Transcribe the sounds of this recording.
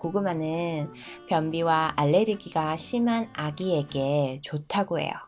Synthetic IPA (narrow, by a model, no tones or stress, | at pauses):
koɡɯmanɯn | pjʌmbiwaaɭːe̞ɾiɡiɡaɕʰimanaɡie̞ɡe̞t͡ɕotʰaɡoɦe̞̰jo̰